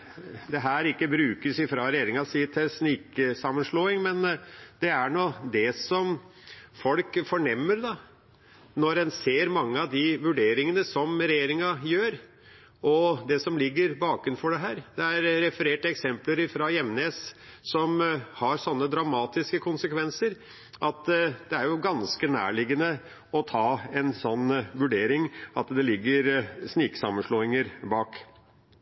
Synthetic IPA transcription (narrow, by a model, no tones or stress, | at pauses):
d̪ɛɦæːɾɪkːəbɾʉːkəsɪfɾɑɾɛjeːɾɪŋɑsiːt̪ʰɛsnɪksɑmːənʂloːɪŋmɛnd̪̥ɛæɳoːd̪ɛsɔm | fɔlkfɔɳɛmːəɾd̪ɑ | nɔɾɛnseːɾmɑŋːəɑʋd̪ɪʋʉɖeːɾɪŋənəsɔmɾɛjeːɾɪŋɑjøːɾ | ɔd̪ɛsɔmlɪɡːəɾbɑːkɾʉnfɔɖɛɦæːɾd̪̥ɛæɾɾɛfəɾeːʈəɛksɛmpləɾɪfɾɑjɛmneːssɔmhɑɾsɔnːəd̪ɾɑmɑːt̪ɪskəkʰʊnsəkʰʋɛnsəɾ | ʔɑt̪d̪ɛæɾjʊɡɑnskənæ̰ːɭɪɡənə | ɔt̪ʰɑːɛnsɔnːʋʉɖeːɾɪŋɑt̪d̪ɛlɪɡːəɾsniːksɑ̰mːənʂɭoːɪŋəɾbɑːk